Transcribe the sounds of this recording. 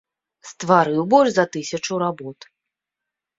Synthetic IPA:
st̪vaɾɨwbɔlʲʐzɐt̪ɨsʲɐt͡ʂuɾabɔt̪

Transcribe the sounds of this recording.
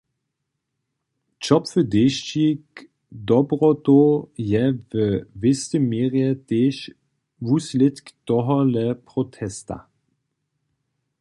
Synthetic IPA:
t͡ʃɔpfədeːʃt͡ʃik | dɔbʁɔtojɛvəvɪstəmeːʁjɛteːʃ | vuslɪtktɔɦɔlɛpʁɔtʰɛsta̰

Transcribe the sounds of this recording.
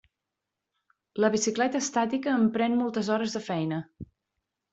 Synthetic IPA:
ləβisiklɛt̪əːst̪at̪ikəːmpɾɛnmɔlˠt̪əzɔɾəzðəfɛjnə

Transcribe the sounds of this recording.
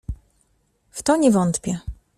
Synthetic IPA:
ft̪ɔɲɛvɔnt̪pʲjɛ

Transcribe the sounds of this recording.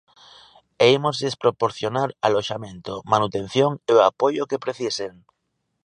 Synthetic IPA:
eimozðespɾopoɾθjonaɾaloʃamẽnt̪omanut̪en̟θjoŋeoapojokepɾeθiseŋ

